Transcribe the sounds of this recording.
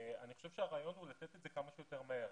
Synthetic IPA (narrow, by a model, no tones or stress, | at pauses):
aniχo̞ʃevʃeaʁaːjo̞nhulat̪et̪etze̞kamaʃujot̪e̞ʁmaeʁ